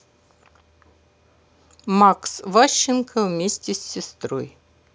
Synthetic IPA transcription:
maksvaɕːɪnkʰɐvmʲesʲtʲɪsʲːɪst̪ro̰j

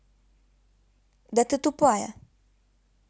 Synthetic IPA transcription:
d̪ɐt̪ɨt̪upajɐ̰

